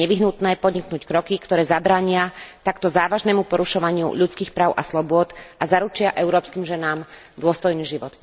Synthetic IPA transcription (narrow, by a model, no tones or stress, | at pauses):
ɛʋiɦnut̪nɛːpɔd̪ɲiknuːckɾɔkikt̪ɔɾɛːzabɾaːɲɪat̪akt̪ɔzaːʋaʒnɛmupɔɾuʃɔʋaɲɪṵʎut͡skiːxpɾaːʊʔa̰slɔbʊɔt̪ʔazaɾut͡ʃɪaʔɛʊɾɔːpskiːmʒɛnaːmd̪ʊɔst̪ɔjniːʒiʋɔt̪